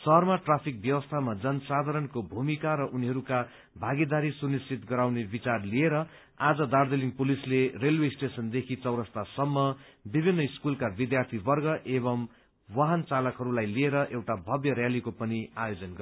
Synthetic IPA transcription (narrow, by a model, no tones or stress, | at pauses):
sʌɦʌrmaʈrapʰik̚bjʌwʌst̪ʰamad͡zʌnsad̪ʱaɾʌɳkobʱumikaɾʌʔuniɦʌɾuka | bʱaɡid̪aɾisunist͡sʰit̪ɡʌɾawnebit͡sarlieɾʌ | ad͡zʌd̪ard̪eliŋpulislerelweisʈesʌnd̪ekʰit͡sʌwɾʌst̪asʌmːʌbibʱinːʌiskulkabid̪jart̪ʰibʌrɡʌʔeβʌm | waɦʌnt͡salʌkɦʌɾulajlieɾʌʔewʈabʱʌbjʌɾjalikopʌniajod͡zʌnɡʌ